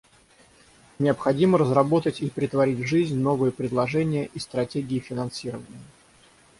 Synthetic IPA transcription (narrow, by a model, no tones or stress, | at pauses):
nʲɪəpxɐdʲiməɾəzrɐbo̞t̪ətʲipɾʲɪt̪vɐɾʲitʲvʐɨzʲnʲno̞vɨjəpɾʲɪd̪lˠɐʐɛnʲɪjəʔist̪ɾɐtʲeɡʲɪːfʲɪnɐnsʲiɾəvənʲɪjə